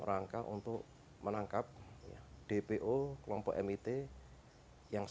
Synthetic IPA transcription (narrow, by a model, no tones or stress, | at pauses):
ɾaŋkaʔṵnt̪ʊʔ | mənaŋkap̚ja̰ɖ̥epeʔokəlɔmpɔʔɛmit̪e | jaŋ